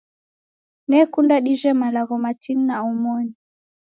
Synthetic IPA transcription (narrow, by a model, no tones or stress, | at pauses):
nɛkundaɗiʒɛmalaɣɔmatinnaɔmɔni